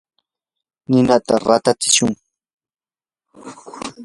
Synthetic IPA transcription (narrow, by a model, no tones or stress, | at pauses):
nɪnat̪aɾat̪at͡sɪ̥ʃʊŋ